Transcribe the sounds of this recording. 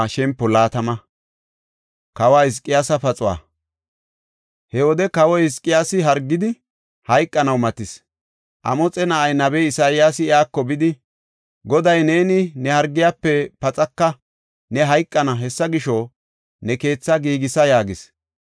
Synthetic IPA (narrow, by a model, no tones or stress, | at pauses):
ʃɛmpːɔlaːt̪ɐmɐ | kɐwaːɪs̬kʼːɪjaːsɐpɐt͡sʼʊwa̰ː | hɛwɔd̪ɛkɐwɔɪskʼːɪjaːsɪɦɐɾɡːɪd̪ɪ | hɐjkʼːɐnɐwmɐt̪ɪs | ʔɐ̰mɔt͡sʼɛnɐʔɐjnɐbɛjɪsaːjɪjaːsɪɪaːkːɔbɪd̪ɪ | ɡɔd̪ɐjne̞ːnɪnɛhɐɾɡːɪjaːpːɛpɐt͡sʼɐkːɐ | nɛɦɐjkʼːɐnɐɦɛsːɐɡɪʃɔ | nɛke̞ːt͡sːɐɡiːɡɪsɐjaːɡɪs